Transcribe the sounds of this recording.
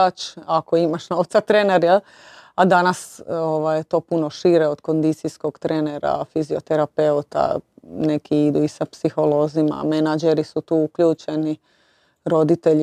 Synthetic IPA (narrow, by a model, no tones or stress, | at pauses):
at͡ʃako̞imaʃno̞ʋt̪sat̪ɾeːneɾjel | ad̪anasoʋajet̪o̞ːpuno̞ʃiɾeod̪̥ko̞nd̪it̪sisko̞ɡ̥t̪ɾeːneɾa̰fizio̞̰t̪eɾape̞ut̪a̰ne̞kiid̪uisapsixo̞lo̞zima̰menad͡ʒeɾisut̪uːukʎuːt͡ʃeni | ɾo̞d̪it̪e̞ʎ